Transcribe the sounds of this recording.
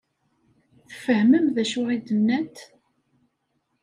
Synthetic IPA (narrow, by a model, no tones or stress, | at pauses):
θfəhməmðæʃʊʁid̪əmnæt̪